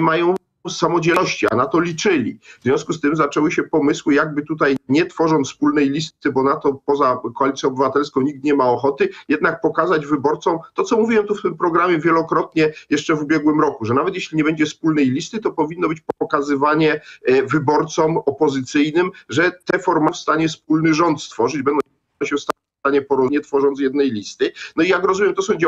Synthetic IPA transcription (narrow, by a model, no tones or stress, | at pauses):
majɔ̃w̃ | samɔd͡ʑɛɔɕt͡ɕia̰nat̪ɔlʲit͡ʂɘlʲḭvzʲjɔ̃w̃skust̪ɘmzat͡ʂɛwɘɕɛpɔmɘswɘjaɡ̚bɘt̪ut̪ajɲɛt̪fɔʐɔ̃nspulnɛjlʲist̪ɘbɔnat̪ɔpɔzakɔalʲit̪ʲjɔ̃ɔbɘvat̪ɛlskɔ̃w̃ɲik̚t̪ɲɛmaɔxɔt̪ɘjɛd̪nak̚pɔkazad͡ʑvɘbɔɾt̪sɔ̃w̃t̪ɔt̪sɔmuvʲiwɛmt̪uft̪ɘmpɾɔɡɾamʲjɛvʲjɛlɔkɾɔt̪ɲɛjɛʂt͡ʂɛvubʲjɛɡwɘmɾɔkuʐɛnavɛt̪jɛɕlʲiɲɛbɛɲd͡ʑɛspulnɛjlʲist̪ɘt̪ɔpɔvʲinːɔbɘt͡ɕpɔɔkazɘvaɲɛvɘbɔɾt̪sɔmɔpɔzɘt̪sɘjnɘmʐɛt̪ɛfɔɾmãfst̪aɲɛspulnɘʐɔnt̪st̪fɔʐɘd͡ʑbɛnd̪ɔ̃ | ɔɕɛfst̪a | st̪aɲɛpɔɾɔɲɛt̪fɔʐɔnt̪sjɛd̪̚nɛjlʲist̪ɘnɔijakɾɔzumʲjɛmt̪ɔsɔ̃w̃d͡ʑ